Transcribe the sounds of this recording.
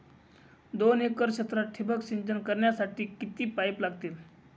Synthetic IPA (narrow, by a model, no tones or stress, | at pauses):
d̪onekəɾkɕet̪ɾaʈʰibəksiɲd͡ʑənkəɾɳjasaʈiːkit̪iːpajplaɡt̪iːl